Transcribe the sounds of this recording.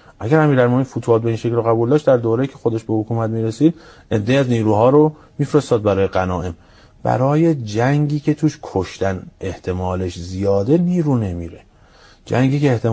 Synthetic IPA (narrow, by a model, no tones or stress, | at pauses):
ʔæɡæɾæmiːɾælmominfut̪ʰuɒːt̪be̞iːnʃe̞klɾoɣæbuːld̪ɒːʃtd̪æɾd̪oːɾejiːcʰe̞xod̪eʃbe̞hokʰuːmæt̪̚miːɾesiːd̪̚ʔed̪ːeiæzniːɾuːɦɒːɾo | miːfɾest̪ɒːd̪̚bæɾɒːjeɡænɒːʔe̞m | b̥æ̰ɾɒːje̞d͡ʒæŋɟiːcʰe̞t̪ʰuːʃkʰoʃt̪æne̞ht̪ʰe̞mɒːle̞ʃzijɒːd̪e̞niːɾuːne̞miːɾe | d͡ʒæŋɟiːceːht̪ʰe